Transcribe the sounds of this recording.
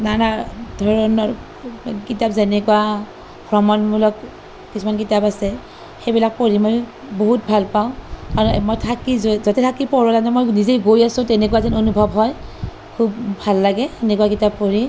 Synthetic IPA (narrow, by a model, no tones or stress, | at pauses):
nanadʱɔɹɔnɔɹ | kitapzɛnɛkuwa | ɡɹɔmɔnmulɔk | kisʰumankitapasɛ | xejbilak̚pɔɹimoj | boɦut̚bʱalpaʊ̃kaɹɔmojtʰakizzɔtɛtʰakipɔɹɔlanamojnizejɡojasʊ̃tɛnɛkwazinonubʱɔbɦɔj | kʰub̚bʱalːaɡɛɛnɛkuwakitapːɔɹi